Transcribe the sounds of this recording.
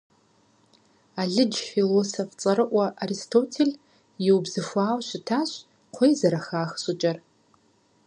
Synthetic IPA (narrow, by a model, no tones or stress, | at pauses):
aɮɨd͡ʒfilosoft͡sʼɐɾɨʔʷaʔaɾistʰotʰel | jiwbzɨfʷaːwʃʷɪtʰaʃʷ | qʷʰejzaɾaxaːxsʊt͡ʃʼɐr